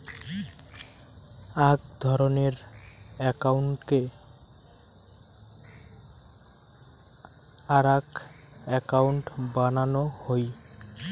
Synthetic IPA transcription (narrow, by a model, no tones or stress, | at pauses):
aɡd̪ʱɔɾoneɾ | ɛkawɳʈke | aɾak | ɛkawɳʈbananohoj